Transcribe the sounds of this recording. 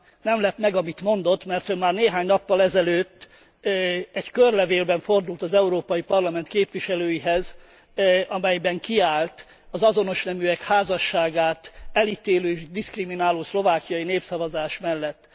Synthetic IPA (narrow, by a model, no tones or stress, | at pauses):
nɛmlɛt̪mɛɡɒmit̪mo̞nd̪o̞t̪ːmɛrt̪ømaːrneːɦaːɲnɒpːɒlɛzɛløːt̪ː | ɛɟkørlɛveːlbɛɱfo̞rd̪ult̪ɒzɛuɾoːpɒjipɒrlɒmɛnt̪keːpʋiʃɛløːjiɦɛz | ɒmɛjbɛŋkiaːlt̪ | ɒzɒzo̞no̞ʃnɛmyɛkhaːzɒʃːaːɡaːt̪ɛlit̪eːløːʒd̪iskriminaːloːslo̞vaːkijɒjineːpsɒvɒzaːʃmɛlːɛt̪ː